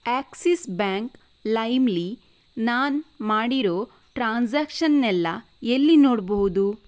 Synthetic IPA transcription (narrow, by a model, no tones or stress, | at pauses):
aːksisbaːŋk | lɐjmli | naːnmaːɽiɾoː | ʈɾaːnd͡ʒaːkʃɐnːɛlːɐ | elːinoːɽboɦud̪u